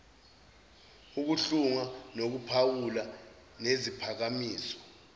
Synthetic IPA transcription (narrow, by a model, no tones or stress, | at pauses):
uk̬uɬuŋanok̬upʰawula | nezipʰak̬amiːsɔ̥